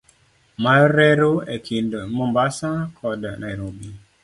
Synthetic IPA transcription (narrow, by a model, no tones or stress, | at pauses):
maɾɛɾoekʰindmɔmbasakʰɔdnaiɾobi